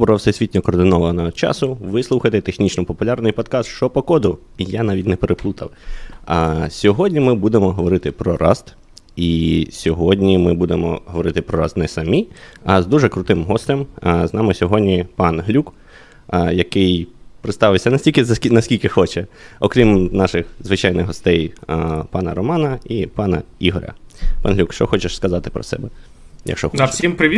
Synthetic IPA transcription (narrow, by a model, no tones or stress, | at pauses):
bɔɾɐwsɛsʲʋʲitʲnʲɔkɔːrd̪ɪnɔʋɐnɐt͡ʃɑ̰sʊʋɪslˠuxɐt̪ɪt̪exnʲit͡ʃnɔpɔpʊlʲɑrnɪjpɔd̪kɑst̪ʃt͡ʃɔpɔkɔd̪ʊ | ijanɑʋʲit̚ʲnɛpeɾʔeplˠut̪ɐw | sʲɔɦɔdʲnʲimɪbud̪emɔɦɔʋɔɾɪt̪ɪpɾɔɾʔɑ̰st̪ | isʲɔɦɔdʲnʲimɪbud̪emɔ̰ɦɔʋɔɾɪt̪ɪpɾɔɾast̪nɛsɐmʲiɐzd̪uʒɛkɾʊt̪ɪmɦɔst̪ɛmznɑmɪsʲɔɦɔdʲnʲipɑnɦlʲuk | jɐkɪjpɾɪt̪st̪ɑʋɪsʲɐnɐsʲtʲilʲkɪzɐkʲinɐsʲkʲilʲkɪxɔt͡ʃɛɔkɾʲimnɑʃɪxzʋɪt͡ʃɑjnɪɣɦɔst̪ɛjpɑnɐɾɔmɑnɐipɑnɐ̰iɦɔɾʲɐ̰pɑnɦlʲukʃt͡ʃɔxɔt͡ʃɛʃskɐzɑt̪ɪ̥pɾɔ̰sɛ̰bɛ | jɐ̰kʃt͡ʃɔxɔssʲimpɾɪʋʲi